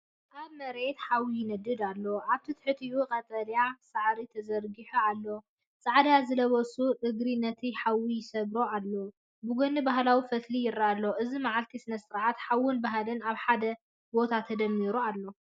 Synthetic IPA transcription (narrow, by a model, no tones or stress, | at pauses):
ʔaβmɐɾet̪ħawijɪnɐd̪ɨd̪alːo̞ʔaβt̪ʰit̪ʰɨ̥ħɨt̪ijukʼɐt̪ʼɐljasaʕɾit̪ʰɐzɐɾɡiħualːo̞ | t͡sʼaʕd̪azɨlɐβɐsʼuʔɨɡɾinːɐt̪ʰiħawijɪsɐβɾoalːo | bɨɡonɨbaɦlawifɐt̪lijɪɾːaalːoʔɨzimaʕalt̪ʰisɨnɐsɨɾʕat̪ħawʊnbaɦlɨnaβħad̪ɐ | bo̞t̪ʰat̪ʰɐd̪ɐmːiɾualːo̞